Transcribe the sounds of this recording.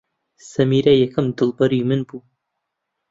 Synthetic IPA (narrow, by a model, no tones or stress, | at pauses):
sɐmiːɾɐjɐkʰɨmd̪ɨlbɐɾimɨnbuː